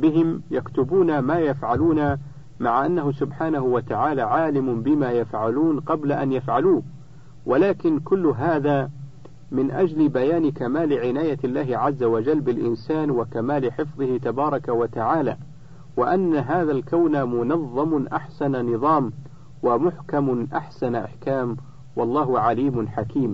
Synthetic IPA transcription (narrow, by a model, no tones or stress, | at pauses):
bɪɦɪmjakt̪ʊbuːnamaːjafʕaluːna | maʕaʔanːaɦʊsʊbħaːnaɦʊwat̪aʕaːlaːʕaːlɪmʊbɪmaːjafʕaluːnqɑblaʔanjafʕaluː | wʔalaːkɪnkʊlːʊɦaːðaː | mɪnʔad͡ʒlɪbajaːnkamaːlɪʕɪnaːjalːaːɦɪʕazːawad͡ʒalːbɪlʔɪnsaːnwakamaːlɪħɪfðˤɨhɪt̪abɑːɾˤɑkawat̪aʕaːla̰ː | waʔanːaɦaːðalkawnamʊnɑðˤːɑmʊʔa̰ħsananɨðˤɑːm | wamʊħkamʊʔa̰ħsanʔa̰ħkaːm | wɑlˤːɑːɦʊʕaliːmʊnħakiːm